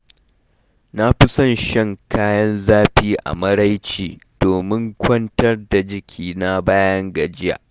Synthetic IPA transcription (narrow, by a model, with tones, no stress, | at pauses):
na˦ɸɪ˦sɐ˦nʃɛ˦ŋkʰaː˦jɐ˦nzaː˦ɸiː˦ʔa̰˨mɐ˦ɽa˦jt͡ʃiː˨d̥oː˨mɪ˦ŋkʷɐ˦ntɐ˦rda˨d͡ʒɪ˦kʲʰiː˨na˦baː˦jɐ˦ŋɡɐ˨d͡ʒɪ˦ja̰ː˨ʔ